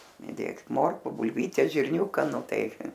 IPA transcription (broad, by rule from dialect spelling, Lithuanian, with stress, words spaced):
ɪˈdʲeːk ˈmoːrkʊ bʊlʲˈʋʲiːtʲɛs ʒʲɪrʲˈnʲuːkɐ ˈnʊ ˈtɐɪ